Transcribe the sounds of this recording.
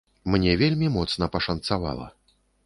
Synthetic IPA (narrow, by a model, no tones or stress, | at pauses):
mnʲɛvʲelʲmʲimɔt̪snɐpɐʂɐnt̪sava̰lˠɐ̰